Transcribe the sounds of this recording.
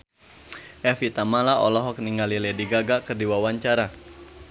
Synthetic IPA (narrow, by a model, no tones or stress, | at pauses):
ʔɛfit̪amalaʔɔlɔɦɔk̚niŋɡalilɛdiɡaɡakərdiwawaɲt͡ʃaɾa